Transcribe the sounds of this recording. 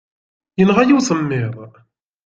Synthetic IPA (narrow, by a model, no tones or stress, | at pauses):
jənʁajuwsˤəmːɪɾˤ